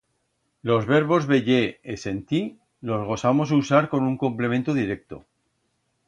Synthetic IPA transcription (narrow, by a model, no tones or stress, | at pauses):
lo̞zβe̞ɾβ̞o̞zβe̞ʎeese̞nt̪i | lo̞zɣo̞samo̞susaɾko̞nuŋko̞mple̞ment̪oðiɾe̞k̚t̪o̰